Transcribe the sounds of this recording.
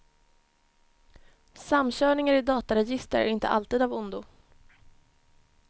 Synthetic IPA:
samːɕœːɳɪŋaɾɪd̪ɑːt̪aɾɛjɪst̪əɾæ̰ɾɪnt̪ə̰ʔa̰lt̪iːd̪avʊnd̪ʊ

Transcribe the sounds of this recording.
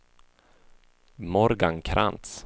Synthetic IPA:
mɔɾɡaŋkʰɾʔa̰nt̪s

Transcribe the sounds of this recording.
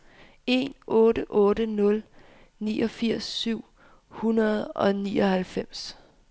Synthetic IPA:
e̝̰nʔɔ̽ːɾəʔɔ̽ːɾənɔ̽l | nḭːɒ̽fiɐ̰sːyʊ̰ | hunɐð̞̩ˠɒ̽niːɒ̽hælfem̰s

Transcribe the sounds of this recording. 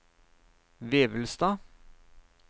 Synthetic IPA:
ʋeːʋəlst̪ɑː

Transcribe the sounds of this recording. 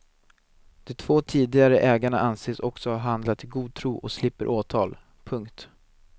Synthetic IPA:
d̪̥ɛt̪ʰv̥oːt̪ʰiːd̪ɪɡaɾəʔɛːɡaɳaʔanseːsɔksɔhaɾɦand̪lat̪ʰːɪlɡuːd̪̚t̪ʰɾuːʔɔkslɪpːəɾʔoːt̪ʰɑːl | pʰɵŋkt̪

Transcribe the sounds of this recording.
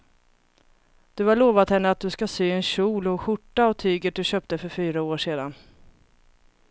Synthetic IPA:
d̪̥ɵhaɭoːvat̪hɛnːəat̪̚d̪ɵskasyːɛnɕuːlɔɧʊʈːaɔt̪ʰyːɡəʈ̚d̪ɵɕœːp̚t̪əfœɾfyːɾaoːʂeːd̪a̰n

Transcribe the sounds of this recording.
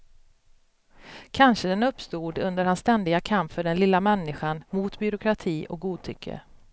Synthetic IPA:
kʰanʂəd̪ɛnɵpːst̪uːd̪ɵnd̪əɾhansːt̪ɛnd̪ɪɡakʰampfœɖɛnlɪlːamɛnːɪɧanmuːt̪bʏɾʊkʰɾat̪ʰiːʔɔk̚ɡuːd̪̚t̪ʰʏkʰːə̰

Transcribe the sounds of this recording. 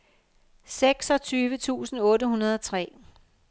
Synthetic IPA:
seɡ̥sɒ̽t͡sʰyːʋət͡sʰṵːsn̩ɔ̽ːɾəhunɐð̞ˠɒ̽t͡sʰʁɛ̰ː

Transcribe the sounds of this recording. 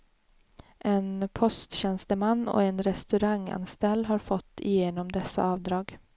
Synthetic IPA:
ʔenpʰɔst̪ɕɛnst̪əmanːɔ̰enɾɛst̪ɵɾaŋːa̰nst̪ɛlːɦɑːɾfɔt̪ʰːɪ̰jeːnɔmd̪ɛsa̰ɑːvd̪ɾɑːɡ

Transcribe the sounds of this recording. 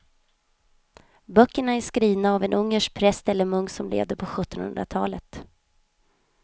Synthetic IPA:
bœkːəɳaæʂkɾiːvnaːvɛnʔɵŋːəʂk̚pʰɾɛst̪ɛlːəɾmɵŋːsɔmlḛːvd̪əpʰɔɧɵt̪ːɔnhɵ̰nd̪ɾa̰t̪ʰɑːlət̪

